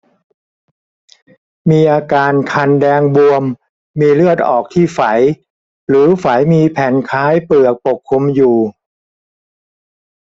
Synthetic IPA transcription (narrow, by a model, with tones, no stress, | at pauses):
miː˧ʔaː˧kaː˧nkʰa˧ndɛː˧ŋbu˧əmː | iː˧ɾɯ˥˩ət̪̚ʔɔː˨˩k̚t̪ʰiː˥˩fa˩˦j | ɾɯː˩˦fa˩˦jmiː˧pʰɛː˨˩˦nkʰaː˦˥jpɯ˨˩ək̚po˨˩kʰːu˧mjuː˨˩